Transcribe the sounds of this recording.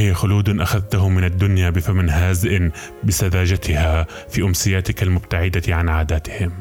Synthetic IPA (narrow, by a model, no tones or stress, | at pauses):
hɪjːaxʊluːd̪nʔaxaðt̪aɦʊmɪnad̪ːʊnjabɪfamnɦaːzɪʔɪn | bɪsaðaːd͡ʒat̪ʰɪha | fiːʔʊmsɪjaːt̪ɪkalmʊbt̪aʕɪd̪aʕanʕaːd̪aːt̪ɪ̥hɪm